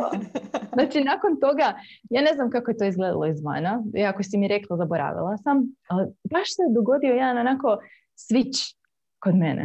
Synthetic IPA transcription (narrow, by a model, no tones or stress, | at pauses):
znat͡ʃinako̞nt̪o̞ɡajaːne̞znamkakoje̞t̪oːizɡled̪a̰lˠo̞izʋa̰ːnaiakosimiɾeklˠazaboɾa̰ːʋḭlˠasamalbaʃsed̪oɡo̞d̪iojaːnonako̞ | sʋit͡ʃ | kod̪menḛ